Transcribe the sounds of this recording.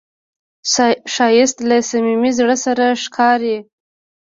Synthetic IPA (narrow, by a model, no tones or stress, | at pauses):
ʃɑjɪst̪lasamimizɽəsaɾaʂkʰɑɾi